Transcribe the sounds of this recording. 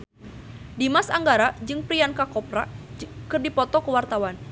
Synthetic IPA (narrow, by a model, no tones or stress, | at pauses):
dimasaŋɡaɾad͡ʒɨŋpɾiankakɔpɾakɨrdipɔt̪ɔkəwart̪awan